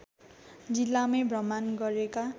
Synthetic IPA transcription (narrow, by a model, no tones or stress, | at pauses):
d͡zilːamebrʌmanɡʌɾeka